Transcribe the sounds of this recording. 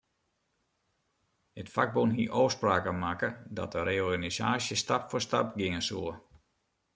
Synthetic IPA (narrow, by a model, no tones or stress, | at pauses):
hətfaɡ̚bonɦiʔoːspraːkəmakədɔ̰təreɔrɡanisa̰ːsjəstapfostapɡɪŋəsoə